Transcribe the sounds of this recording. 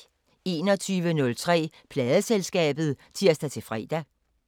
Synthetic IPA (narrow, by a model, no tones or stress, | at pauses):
e̝̰ːnɒ̽t͡sʰyːʋənɔ̽lt͡sʰʁɛ̰ː | pʰlɛːðˠəselsɡ̥ɛ̰ːb̥ð̞̩ˠt͡sʰiɐ̰sd̥æt͡sʰe̝fʁɛ̰ːd̥æ